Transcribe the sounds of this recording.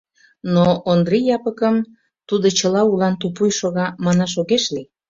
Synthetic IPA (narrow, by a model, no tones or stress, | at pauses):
noʔːnd̪rijɑpəkəm | t̪ud̪ot͡ɕəlɑulɑnt̪upujʃoɣɑmɑnɑʃ̬oɣeʃli